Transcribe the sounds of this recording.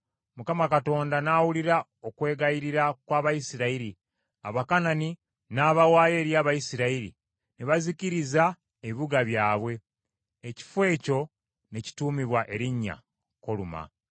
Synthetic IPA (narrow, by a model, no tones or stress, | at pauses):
mukamakato̞ːndanaːwuliɾa | o̞kwe̞ːɡajiɾiɾakwaːβajisiɾaiɾi | a̰βakanani | naːβawaːjeːɾjaːβajisiɾaiɾḭ | niβaziciɾiza | eβiβuɡaβjaːβwe̞ː | ci̥fwe̞ːco̞ | ne̞ci̥tuːmiβwaʔe̞ɾiɲːa̰ | ko̞luma̰